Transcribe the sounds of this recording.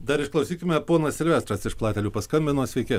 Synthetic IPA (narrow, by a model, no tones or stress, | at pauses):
d̪ɐɾɪʃklˠɐʊsʲiːkʲɪmʲɛpoːnɐsʲɪlʲʋʲæːst̪ɾɐsɪʃplˠɑːt̪ʲɛlʲuːpɐskɐmʲbʲɪnoːsʲʋʲɛɪkʲɪ